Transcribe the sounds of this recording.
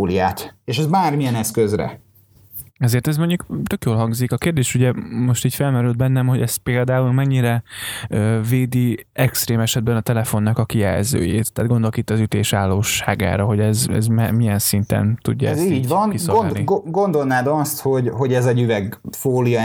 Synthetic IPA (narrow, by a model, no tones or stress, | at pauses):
lijaːt̪eʃɛzmaːrmijɛnɛskøzrɛ̰ | ɛzeːrt̪ɛzmo̞ɲɟukt̪ø̞kjoːlɦɒŋɡzikɒkeːrd̪eːʃuɟɛmo̞ʃt̪iːcfɛlmɛɾyld̪̚bɛnːɛmho̞ɟɛst̪̚peːld̪aːulmɛɲːiɾɛøːveːd̪i | ɛkst̪reːmɛʃɛd̪̚bɛnɒt̪ɛlɛfo̞nːɒkɒkijɛ̰lzø̰ːjḛːt̪ːaːd̪ɡo̞nd̪olokit̪ːɒzyt̪eːʃaːlːoːʃːa̰ːɡa̰ːɾɒɦo̞ɟɛzɛ̰zmɛmijɛnsint̪ɛ̰nt̪ṵɟːa̰ziːɟvɒniooiɡɡo̞nd̪o̞lnaːd̪ɒst̪ho̞ɟho̞ɟɛzɛɟyvɛɡfoːlijɒ